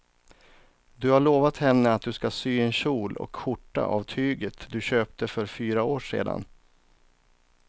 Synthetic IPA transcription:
d̪ɵhaɭoːvat̪hɛnːəat̪̚d̪ɵskasyːɛnɕuːlɔ̰kːʊʈːa̰ʔavt̪ʰyːɡət̪d̪ɵɕøːp̚t̪əfœɾfyːɾaoːʂḛːd̪a̰n

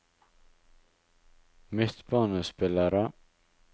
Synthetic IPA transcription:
mɪt̪bɑːnəspɪlaɾə

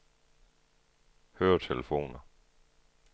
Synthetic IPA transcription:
høːɐt͡sʰeləfo̝̰ːnɐ

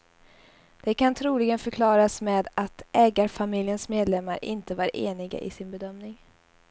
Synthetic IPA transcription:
d̪̥ɛkʰant̪ʰɾuːlɪɡənfœɾkʰlɑːɾasmɛːd̪at̪ʔɛːɡaɾfamɪljənsmeːd̪lɛmːaɾʔɪ̰nt̪əvaɾʔeːnɪɡa̰ʔɪ̰sɪnbɛd̪œmnɪŋ

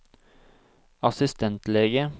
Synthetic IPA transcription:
ɑsɪst̪ɛnt̪leːɡə

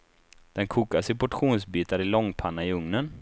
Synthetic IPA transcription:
d̪̥ɛnkʰuːkasɪpʰɔʈɧuːnsbiːt̪aɾɪlɔŋːpʰanːaɪɵŋnən

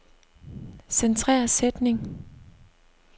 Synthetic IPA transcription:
sent͡sʰʁɛ̰ːɐsed̥ne̝ŋ

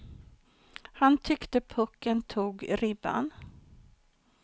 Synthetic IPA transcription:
hant̪ʰʏkt̪əpʰɵkːənt̪ʰuːɡɾɪba̰n

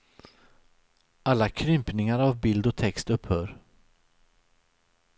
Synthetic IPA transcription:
alːakʰɾʏmpnɪŋaɾavbɪld̪ɔt̪ʰɛkst̪ɵpːhœːɾ

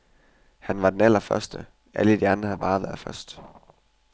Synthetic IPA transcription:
hænʋɑ̈d̥enæl̰ɐfɶɐsd̥ə | ʔæləd̥iæanhæð̩ˠb̥ɑ̈ːʋæɐfɶɐsd̥

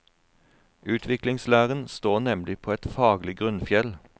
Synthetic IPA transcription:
ʔʉːt̪ʰʋɪklɪŋslæːʁənst̪oːʁnɛmlɪpʰoːɛt̪fɑːɡlɪɡʁʉnfjɛl

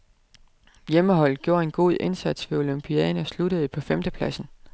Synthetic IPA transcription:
jeməɦɒ̽l̰̚ɡ̥jo̝ɐ̰e̝nɡ̥o̝̰ð̰ˠʔe̝nsæd̥sʋe̝o̝lympʰiɛːnəsluɾəð̞̩ˠəpʰɒ̽femd̥əpʰlæsn̩

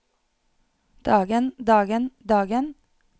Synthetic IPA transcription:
d̪̥ɑːɡənd̪ɑːɡənd̪ɑːɡən

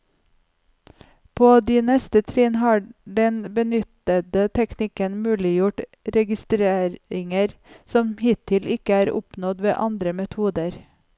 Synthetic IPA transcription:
pʰoːd̪iːnɛst̪ət̪ʰɾiːnhɑːɖɛnbənʏt̪əd̪ət̪ʰɛknɪkənmʉːlɪjʊʈɾɛɡɪst̪ɾeːɾɪŋəɾsɔmhɪːt̪ʰɪlʔɪkəæːɾʊ̰pnɔd̪ʋḛːʔɑnd̪ɾəmɛt̪ʰuːd̪əɾ

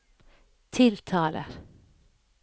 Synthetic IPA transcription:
t̪ʰɪlt̪ʰɑːlʔə̰ɾ

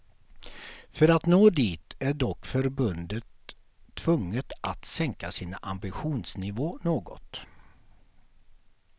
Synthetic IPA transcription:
fœɾat̪noːd̪iːt̪æɖɔkːfœɾbɵnd̪ət̪ʰː | vɵŋːət̪a̰t̪sɛŋkasiːnaʔambɪɧuːnsnɪvoːnoːɡɔ̰t̪

